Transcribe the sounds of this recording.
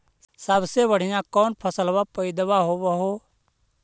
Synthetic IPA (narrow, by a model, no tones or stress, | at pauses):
səbsebəɽ̤ɪjãkɔːnpʰəsəlʋapəɪd̪waɦoʋəɦoː